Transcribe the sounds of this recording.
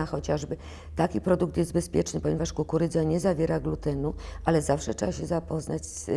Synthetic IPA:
axɔt͡ɕaʐbɘ | t̪akʲipɾɔd̪ukt̪jɛst̪bɛspʲjɛt͡ʂnɘpɔɲɛvaʂkukuɾɘd̪zaɲɛzavʲjɛɾaɡlut̪ɛnuʔalɛzafʂɛtʂɛbaɕɛzapɔznat͡ɕs

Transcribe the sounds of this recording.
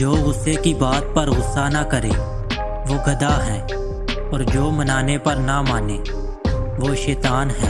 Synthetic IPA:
d͡ʒoːɣʊsekibaːt̪̚pɐɾɣʊsːanakɐɾeː | ʋoːɡɐd̪aɦɛː | ɔːɾd͡ʒoːmɐnaːnepɐɾnamaːneː | ʋoːʃɛːt̪aːnɦɛː

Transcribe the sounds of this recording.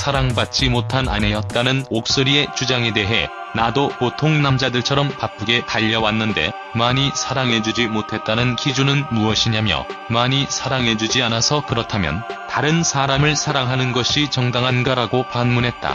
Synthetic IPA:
sʰaɾaŋbat̚t͡ɕ͈imotʰana̰nejʌt̚t͈anɯnok̚s͈oɾie̞t͡ɕud͡ʑaŋe̞de̞ɦe̞ | nadokotʰoŋnamd͡ʑadɯɭt͡ɕʰʌɾʌmpap͈̚ɯɡe̞taʎːʌwanːɯnde̞̰ | maɲisʰaɾaŋɦe̞d͡ʑud͡ʑimotʰe̞t̚t͈anɯnkid͡ʑunɯnmuʌɕʰiɲamjʌ̰maɲisʰaɾaŋɦe̞d͡ʑud͡ʑianasʰʌkɯɾʌtʰamjʌ̰ntaɾɯnsʰaɾamɯɭsʰaɾaŋɦanɯnɡʌɕʰit͡ɕʌŋdaŋɦanɡaɾaɡopanmunɦe̞t̚t͈a̰

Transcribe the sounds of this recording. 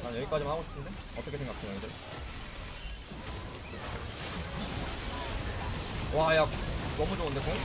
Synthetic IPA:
anjʌɡik͈ad͡ʑimanhaɡoɕʰi̥ps͈ʰɯnd̪e | ʌt̪͈ʌkʰsʰe̞ŋɡakʰɯnaŋid͡ʑɯ | wajakʌmud͡ʑoŋɯnd̪eko

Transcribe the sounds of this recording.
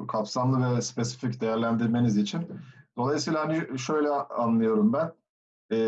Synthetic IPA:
kʰapsamlˠɯvɛspe̞si̥ficd̪e̞jæɾlʲænd̪iɾme̞nizit͡ʃʰind̪̥o̞lˠajsiːlˠaɦaniʃø̞jlʲɛanlˠɯjo̞ɾumbænː

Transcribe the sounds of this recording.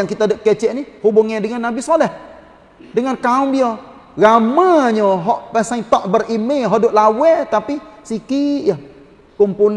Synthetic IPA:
aŋkit̪adəʔkɛt͡ʃɛʔnihubʊŋadəŋanːabisolɛh | dəŋankaʊmbio | ɡamaɲəɦɔʔpasaŋt̪ɔʔbərimeɦɔʔdoʔlawɛt̪apisikija | kumpun

